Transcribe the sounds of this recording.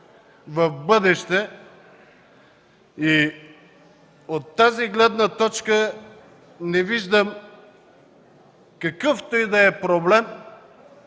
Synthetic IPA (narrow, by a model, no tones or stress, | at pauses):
vɐfbɤd̪ɛʃt̪ɛ | i | ot̪ːaziɡlɛd̪nət̪ɔt͡ʃkə | nɛviʒd̪əm | kɐkɤft̪ɔjd̪ɐɛpɾoblɛm